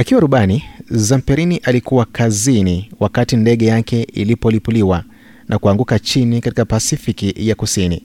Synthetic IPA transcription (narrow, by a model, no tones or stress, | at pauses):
akiwaɾuɓanizam̩pɛɾiniʔalikuwakʰaziniwakatindɛɠɛjakɛilipɔlipuliwa | nʔakuaŋɡukat͡ʃinikatikapasifikijakusinḭ